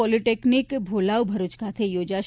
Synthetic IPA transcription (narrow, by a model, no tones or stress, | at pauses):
ɔliʈeknikbʱolaʋbʱəɾut͡ʃkʰat̪ʰejod͡ʒaʃ